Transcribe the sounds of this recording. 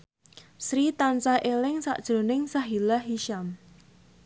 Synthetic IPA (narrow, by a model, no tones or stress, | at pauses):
sɾit̪ant͡ʃaʔelɪŋsa̰ʔd̥ʒ̥ɾo̤nɪŋsaɦilaɦiʃam